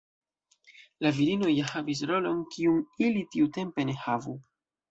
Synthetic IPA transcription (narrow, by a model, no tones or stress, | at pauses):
laviɾino̞jahavis̬ɾo̞lo̞nkiunilitiute̞mpe̞ne̞havu